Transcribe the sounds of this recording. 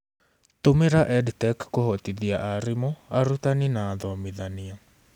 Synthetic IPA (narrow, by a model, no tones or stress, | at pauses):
tomeɾaʔɛdtɛkːohɔtiðiaʔaɾemɔaɾutaninaːðɔmeðania